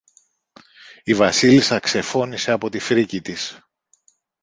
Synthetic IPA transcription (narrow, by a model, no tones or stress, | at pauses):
ivɐsilisɐkse̞fo̞nise̞ɐpo̞t̪ifɾicit̪is